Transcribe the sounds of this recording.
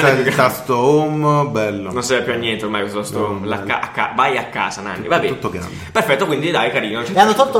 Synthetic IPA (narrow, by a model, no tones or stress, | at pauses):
ɛt̪ast̪oombɛlːononsiɛpːjuanːjɛnt̪eormajkwest̪ost̪omlaːa̰ʔakːa̰vajakːa̰ːzana̰nːḭvabɛ̰ut̪ːoɡɾa̰nd̪perfɛt̪ːokwind̪id̪ajkaɾiːnot͡ʃɛanːot̪ut̪ːo